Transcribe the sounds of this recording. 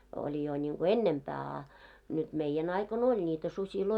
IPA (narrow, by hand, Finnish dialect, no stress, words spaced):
olʲi jo nʲiŋɡ̊o enːempæː ɑ nyt meijen ɑikon olʲ nʲiːtæ susʲiloi